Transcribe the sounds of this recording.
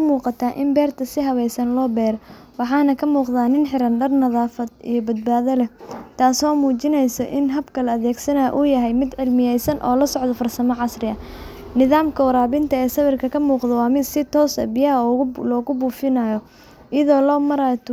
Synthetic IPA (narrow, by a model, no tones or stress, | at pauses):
muːqɑt̪ʰaːʔɪmbɛːrt̪ʰɐsɪɦɐwɛjsɐnlɔːbɛːɾɔ | wɑħɑːnɐkʰɐmuːqðaːnɪnħɪɾɐnɖɐrnɐðaːfɐd̪ijɔbɐd̪̚baːðɐlɛt̪ʰaːsɔːmuːt͡ʃɪnɛjsɔʔɪnɦɐbkʰɐlɐːðɛːɡsɐna̰ːʔujɐɦɛjmɪd̪ʕɪlmɪjɛjsɐnʔɔ̰ːlɐsɔʕd̪ɔfɐrsɐmɐʕɑsrɪɐ | nɪðaːmkʰɐwɐɾaːβɪnt̪ʰɐɛːsɐβɪrkʰɐkʰɐmuːqd̪ɔwɑːmɪd̪sɪt̪ʰɔːsɐ̰bɪjɐlɔːɣʊbuːfɪnaːjɔ | ɪjɐðɔːlɔːmɐɾat̪ʰ